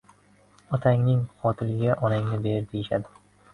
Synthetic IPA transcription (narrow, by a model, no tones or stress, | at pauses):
ɒt̪ʰaŋnɪŋqɒt̪ʰɪlɪɡʲaʔɒnaŋnɪbeɾd̪ejɪʃad̪ɪ